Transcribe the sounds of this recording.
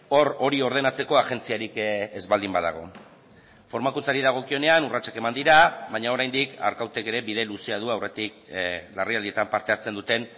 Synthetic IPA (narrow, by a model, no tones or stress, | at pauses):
o̞ro̞ɾio̞ɾð̞e̞nat͡se̞ko̞aʝe̞nt͡siaɾikezβald̪imbaða̰ɣ̞o̞̰ | fo̞ɾmakunt͡saɾiðaɣ̞o̞kio̞ne̞anurat͡ʃḁke̞mand̪iɾaβajɲao̞ɾajnd̪ika̰ɾkawt̪e̞ke̞ɾe̞βiðe̞luseað̞uawre̞t̪ik̚lariald̪iet̪ampaɾt̪e̞aɾt͡se̞nd̪ut̪e̞n